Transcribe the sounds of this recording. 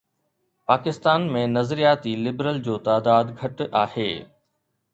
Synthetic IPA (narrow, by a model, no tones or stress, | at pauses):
paːkɪst̪aːnmẽnɐzɾijaːt̪ilɪbɾəld͡ʑoːt̪aːd̪aːd̪ɡʱɐʈaːhḛː